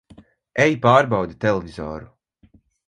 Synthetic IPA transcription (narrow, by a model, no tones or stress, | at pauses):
ɛjpaːɾbawd̪it̪ɛlˠɛvizɔ̰ːɾu